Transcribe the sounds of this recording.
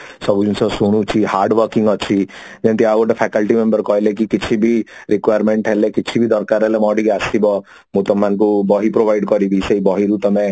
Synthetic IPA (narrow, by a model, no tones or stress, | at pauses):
sɔbd͡ʒunsɔsuɽ̃ut͡ʃʰiɦaːɾɖʋəɾkɪ̃ŋɡɔt͡ʃʰid͡ʒẽnt̪iaɡoʈepʰɛkəlʈimẽmbəɾkɔɦelekikɪt͡ʃʰibʱiɾɪkʋajəɾmẽɳʈɦɛlekɪt͡ʃʰibʱid̪ɔɾkaɾɦɛlemɔɖikasibɔ | mut̪ɔmːankubɔɦipɾoʋaɪɖkɔɾibʱiseibɔɦiɾut̪ɐmẽ